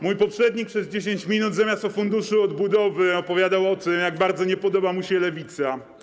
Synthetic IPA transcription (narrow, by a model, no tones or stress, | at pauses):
mujpɔpʂɛd̪ɲikpʂɛzd͡ʑeɕ̬eɲt͡ɕmʲinud̪zamʲjast̪ɔfund̪uʂɨɔd̪bud̪ɔvɘɔpɔvʲjad̪awɔt̪ɘmjaɡ̚baɾd̪zɔɲɛpɔd̪ɔbamuɕɛlɛvʲit̪sa